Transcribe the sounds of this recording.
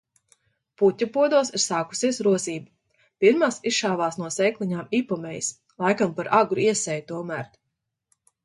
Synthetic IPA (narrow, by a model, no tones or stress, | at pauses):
put̪ʲːupuɔd̪uɔsiɾsaːku̥siɛsɾuɔziːbu | piɾmaːsisʃaːvaːsnuɔsɛːjklˠiɲaːmipɔmɛjis | lˠajkampaɾʔaɡɾuiɛsɛjt̪uɔmæɾt̪